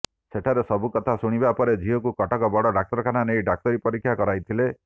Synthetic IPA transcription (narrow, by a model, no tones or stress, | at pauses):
seʈʰaɾesɔbukɔt̪ʰasuɽ̃ibapɔɾed͡ʒiɦɔkukɔʈɔkɔbɔɽɔɖak̚tɔɾɔkʰananejɖak̚t̪ɔɾipɔɾikʰːjakɔɾajt̪ʰile